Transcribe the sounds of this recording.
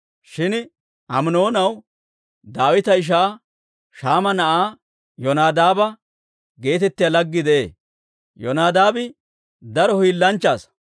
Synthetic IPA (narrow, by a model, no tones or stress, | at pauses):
ʃɪn | ɐmnoːnɐw | d̪aːwɪt̪ɐɪʃ̬aː | ʃaːmɐnɐʔaː | jɔnaːd̪aːbɐ | ɡe̞ːt̪ɛt̪ːɪjaːlɐɡːɪd̪ɛʔḛː | jɔnaːd̪aːbɪ | d̪ɐɾɔhiːlːɐnt͡ʃːaːs